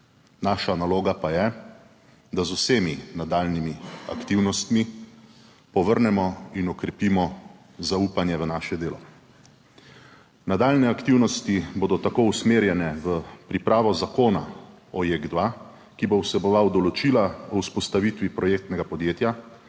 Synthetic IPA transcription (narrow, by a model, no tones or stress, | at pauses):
naːʃanaloːɡapajɛ | d̪azuseːminad̪aːlnimia̰kt̪iwnɔst̪mi | pɔʋəɾnɛmɔinɔkɾɛpimɔ | zaupanjɛʋənaːʃɛd̪eːlɔ | nad̪aːlnɛakt̪iwnɔst̪iboːd̪ɔt̪akoːusmeːɾjɛnɛʋəpɾipɾaːʋɔzakoːna̰ | ɔjeɡd̪ʋa | kibowsɛbɔʋawd̪ɔlɔt͡ʃilaɔuspɔst̪aʋit̪ʋipɾɔjeːk̚t̪nɛɡapɔd̪jeːt̪ja